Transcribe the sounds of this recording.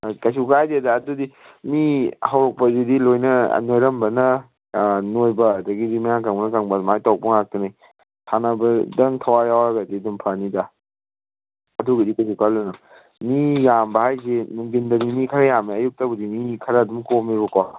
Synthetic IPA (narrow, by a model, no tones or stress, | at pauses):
kasukajdedaːdudi | mihawɾɔk̚pɐdidilojnɐ̰nojɾɐmbɐnɐ | nojbɐːdɐɡidimajaŋkaŋbɐnɐkaŋbadumajtawk̚puŋak̚tunaj | tʰanɐbɐdɐŋtʰawajawɾaɡadidumpʰanida | ɐduɡɐdikɐs̬ukalonɐ | mijambɐhajzenuŋɡindɐnimikʰɐɾɐjamaɐjuk̚tabɐdimikʰɐɾɐːdumkomibɐkɔ